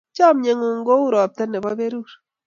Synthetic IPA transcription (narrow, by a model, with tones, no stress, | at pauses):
t͡ʃa˦mɲe˨ŋu˨ŋɡo˦u˦ɾɔ˨p̚t̪a˦nɛ˨ba˦be˦ɾu˦ɾ